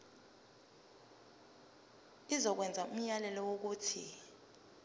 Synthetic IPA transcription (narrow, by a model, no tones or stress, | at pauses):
izɔk̬wɛnd͡zʱaum̩jalɛlɔwok̬uːtʰḭ